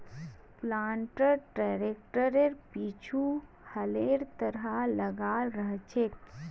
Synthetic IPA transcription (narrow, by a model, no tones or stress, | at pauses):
plaːɳʈəɾʈaɾek̚ʈəɾeɾpit͡ʃʰu | həleɾt̪əɾɦaləɡalɾəɦt͡ʃʰe